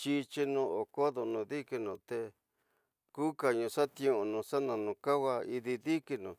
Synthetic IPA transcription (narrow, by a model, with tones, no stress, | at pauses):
t͡ʃi˧t͡ʃi˧nũ˧o˨ko˦ðo˧nũ˨˧ði˦ki˧nũ˧t̪e˧ | ku˦ka˨ɲũ˧ʂa˦t̪jĩ˧˦õ˧nũ˧sa˦nã˧nũ˧ka˦wa˧i˧ði˧ði˦ki˧nũ˨